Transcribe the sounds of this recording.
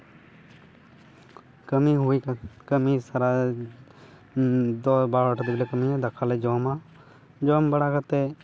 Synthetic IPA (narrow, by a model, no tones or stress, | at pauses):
kəmiɦuikəmisəɾa | d̪obaɾəʈʰəd̪ɪblekəmiãd̪əkʰaled͡ʒoːmãː | d͡ʒoːmbəɽakət̪e